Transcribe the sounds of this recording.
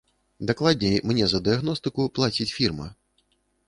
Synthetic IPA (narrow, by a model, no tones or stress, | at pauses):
d̪aklˠadʲnʲejmnʲɛzɐd̪ɨaɣnɔst̪ɨkʊplˠat͡sʲit͡sʲfʲirmɐ̰